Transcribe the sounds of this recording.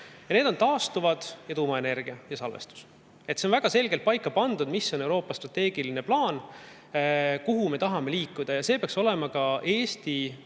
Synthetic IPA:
jɑned̪o̞nt̪ɑːst̪uvɑd̪̥jɑt̪uːmɑe̞ne̞rɡ̥iɑjɑsɑlvḛst̪u̥s | e̞t̪senvæɡ̥ɑse̞lɡ̥elt̪̚pɑjkːˑɑpɑnd̪̥ud̪̥misːo̞ne̞wɾo̞ːpːˑɑst̪rɑt̪ːe̞ːɡ̥iline̞plɑːn | kuɦumet̪ɑɦɑme̞liːkːˑud̪̥ɑjɑse̞ːpeɑkso̞lemɑkɑʔe̞ːst̪i

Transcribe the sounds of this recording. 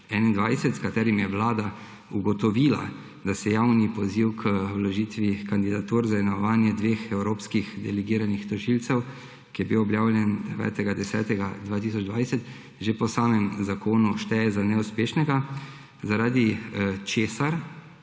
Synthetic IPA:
ɛnind̪ʋajsɛt̪skat̪ɛːɾimjɛʋlaːd̪a | uɡɔt̪ɔʋiːla̰ | d̪asɛjaːwnipɔziwkʰəwlɔʒiːt̪ʋikand̪id̪at̪uɾzaɛnaʋaːnjɛd̪ʋeːxɛwɾoːpskixd̪ɛlɛɡiːɾanixt̪ɔʒilsɛw | kijɛbiwɔbjaːwlʲjɛnd̪ɛʋɛ̰ːt̪ɛɡad̪ɛsɛ̰ːt̪ɛɡad̪ʋaːt̪is̬ɔd͡ʒd̪ʋajsɛt̪ | ʒepɔsaːmɛmzakʰoːnuʃt̪ɛɛzanɛuspeːʃnɛɡa | zaɾaːd̪it͡ʃeːsaɾ

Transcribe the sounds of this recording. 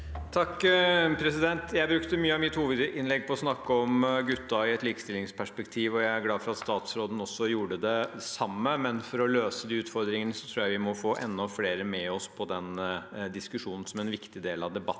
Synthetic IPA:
t̪ʰɑkːpʰɾɛsɪd̪ɛnt̪jæɪbɾʉkt̪əmyːəɑmɪt̪huːʋəd̪ɪnlɛɡ̚ːpʰɔɔsnɑkːəɔmɡʉt̪ːɑɪɛt̪liːkəst̪ɪlɪŋspʰæʂpɛkt̪ʰiːʋɔjæɪæɾɡlɑːfɔɾɑt̪st̪ɑːt̪sɾoːd̪ən̩ɔsːɔjuːɖəd̪ɛsɑmːəmɛnfɔɾɔløːsəd̪iːʉːt̪fɔɾd̪ɾɪŋənəsɔt̪ʰɾuːjæʋɪmɔfoːʔɛnːɔfleːɾəmɛɔspʰɔd̪ɛnd̪ɪskʉʂuːnn̩sɔmɛnʋɪkt̪ɪd̪eːlɑʋd̪ɛbɑt̪ːn̩

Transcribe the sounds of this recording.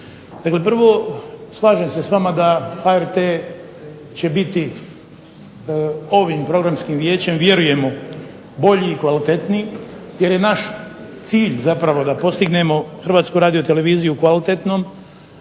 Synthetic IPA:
d̪̥akle̞p̬r̩ʋo̞slˠaːʒemse̞sʋamad̪axaeɾt̪e | t͡ɕe̞bit̪i | o̞ʋimpɾo̞ɡɾamskimʋje̞ːt͡ɕe̞mʋje̞ɾuje̞mo̞ | bo̞ʎiːkʋalit̪e̞t̪ni | je̞ɾje̞naʃ | t̪siːʎzapɾaʋo̞d̪apo̞st̪iɡne̞mo̞xr̩ʋaːt̪skuɾaːd̪ijo̞t̪e̞le̞ʋiːzijukʋalit̪et̪no̞ːm

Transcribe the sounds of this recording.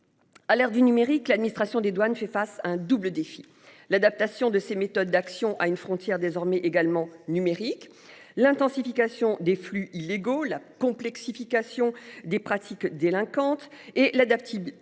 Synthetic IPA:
alɛʁd̪ynymeʁiklad̪̚minist̪χasjɔ̃d̪ed̪wanfɛfasaɛ̃d̪ubləd̪efi | lad̪ap̚t̪asjɔ̃d̪əsemet̪ɔd̪ːaksjɔ̃ʔaynfχɔ̃t̪jɛʁd̪ezɔʁmɛʔeɡalmɑ̃nymeʁik | lɛ̃t̪ɑ̃sifikasjɔ̃d̪eflyʔilːeɡolakɔ̃plɛksifikasjɔ̃d̪epχat̪ʰikd̪elɛ̃kɑ̃t̪elad̪ap̚t̪i

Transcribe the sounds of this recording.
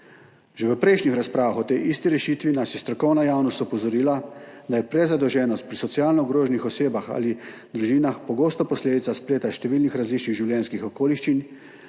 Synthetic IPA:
ʒeʋəpɾɛjʃnʲixɾaspɾaːʋaxɔt̪ɛjʔist̪iɾɛʃiːt̪ʋinasjɛst̪ɾɔkɔwnajaːwnɔst̪ɔpɔzɔɾiːlad̪ajɛpɾɛzad̪ɔwʒɛːnɔst̪̚pɾisɔtsijaːlnɔɡɾoːʒnixɔseːbaxa̰ːli | d̪ɾuʒiːnaxpɔɡoːst̪ɔpɔsleːd̪it̪saspleːt̪aʃt̪ɛʋiːlnixɾazliːt͡ʃniɣʒiwljɛnskixɔkoːliʃt͡ʃin

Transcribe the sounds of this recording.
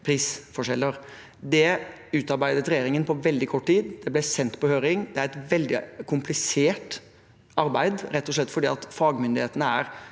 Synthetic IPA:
pʰɾiːsfɔʂɛlːəɾ | d̪ɛ | ʉːt̪ɑɾbæɪd̪ət̪ɾɛjeːɾɪŋənpʰɔʋɛld̪ɪkʰɔʈːt̪iːd̪d̪̥ɛblɛsɛnt̪pɔhøːɾɪŋd̪ɛæɾɛt̪ʋɛld̪ɪ̰kʰʊmplɪseːʈ | ɑɾbæɪd̪ɾɛt̪ːɔs̬ɭɛt̪ːfɔɖiːɑt̪fɑːɡmʏnd̪ɪheːt̪ənəæɾ

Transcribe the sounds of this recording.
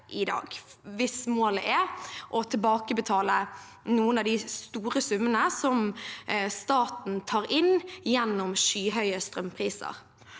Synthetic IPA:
ʔɪd̪ɑ̰ːɡʋɪsmoːləʔɛʔɔt̪ʰɪlbɑːkəbət̪ʰɑːlə | nuːənɑʋd̪ɪst̪uːɾəsʉmːənəsɔm | st̪ɑːt̪n̩t̪ʰɑːɾɪnjɛnːʊmʃyːɦœʏəst̪ʁœmpʰʁiːsə̰ʁ

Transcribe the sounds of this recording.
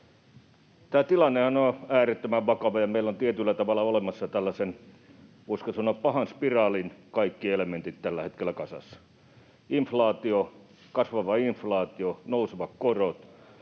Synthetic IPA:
t̪æːt̪ilɑnːehɑnoæːret̪ːømæʋʋɑkɑʋɑjɑmeilːont̪iet̪ylːæt̪ɑʋɑlɑolemɑsːɑt̪ælːæsen | oskɑsonoppɑhɑnspirɑːlinkɑikːielement̪it̪t̪ælːæhet̪kelːækɑsɑ̰sːɑ̥ | iɱflɑːt̪io | kɑsʋɑʋɑiɱflɑːt̪ionouseʋɑkkorot̪

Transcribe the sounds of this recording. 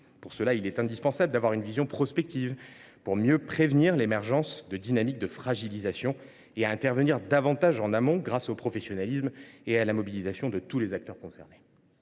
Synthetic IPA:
puʁsəlailɛt̪ɛ̃d̪ispɑ̃sabləd̪avwaʁynvizjɔ̃pχɔspɛk̚t̪ivpuʁmjøpχevniʁlemɛʁʒɑ̃sd̪əd̪inamik̚d̪əfχaʒilizasjɔ̃ | eaɛ̃t̪ɛʁvəniʁd̪avɑ̃t̪aʒɑ̃namɔ̃ɡʁasopχɔfesjɔnalismealamɔbilizasjɔ̃d̪ət̪ulezak̚t̪œʁkɔ̃sɛʁne̥

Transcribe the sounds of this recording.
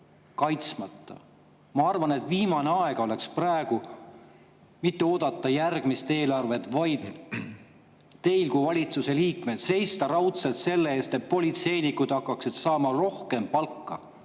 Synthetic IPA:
kɑjt̪smɑt̪ːˑɑ̰ | mɑɑrvɑne̞t̪ˑviːmɑneɑe̞ɡ̥ɑo̞le̞ksprɑeɡ̥u | mit̪ːuo̞ːd̪̥ɑt̪ːˑɑjærɡ̥mist̪e̞ːlɑrve̞t̪vɑjd̪̥ | e̞jlkuvɑlʲit̪suse̞liːkmed̪̥se̞jst̪ɑɾɑwt̪set̪se̞lːe̞eːst̪e̞t̪̚po̞lʲit̪se̞jnikud̪̥ɑkˑːɑksid̪̥sɑːmɑro̞hke̞mpɑlkːɑ̰

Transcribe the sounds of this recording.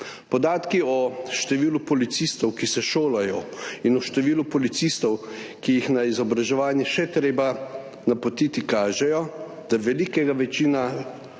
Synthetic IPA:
pɔd̪aːt̪kiɔʃt̪ɛʋiːlupɔlit̪sist̪ɔwkisɛʃoːlajɔinɔʃt̪ɛʋiːlupɔlit̪sist̪ɔwkijixnaizɔbɾaʒɛʋaːnjɛʃɛt̪ɾeːba | napɔt̪iːt̪ikaːʒɛjɔ | d̪̥aʋɛlikɛɡaʋɛt͡ʃiːna

